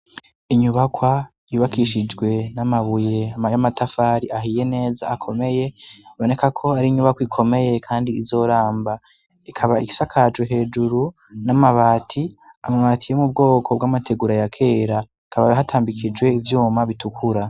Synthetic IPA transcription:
iɲuβakwa | juβakiʃid͡ʒɡwe̞namaβuje̞amajamatafaɾiaɦije̞ne̞ːzaːkʰo̞me̞je̞βo̞ne̞kakʰo̞aɾiɲuβakwikʰo̞me̞je̞kʰaːndiːzo̞ːɾaːmba | ikʰaβaiki̥sakʰad͡ʒweɦe̞ːd͡ʒuɾu | namaβaːtʰi | amaβatʰijemub̚ɡo̞ːkʰo̞bɡaːmatʰe̞ɡuɾajakʰe̞ːɾa | kaβa̰ɦatʰaːmbikʰid͡ʒɡwe̞ivjuːmaβitukʰuɾa

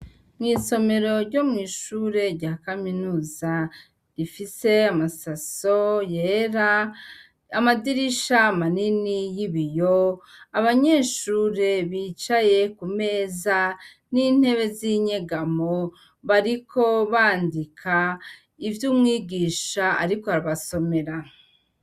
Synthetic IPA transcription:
mŋiːso̞me̞ɾo̞ɾɟo̞mŋiːʃuːɾe̞ɾɟaːkaminuːza | ɾifise̞amasaso̞jeɾaː | madiɾiʃamaninijiβijoaβaɲe̞ːʃuːɾe̞βiːt͡ʃaje̞kume̞ːza | niːn̥he̞βe̞ziɲe̞ɡamo | βaɾikʰo̞βaːndikʰa | ivjuːmŋiːɡiːʃaa̰ɾikohaɾaβaso̞me̞ɾa

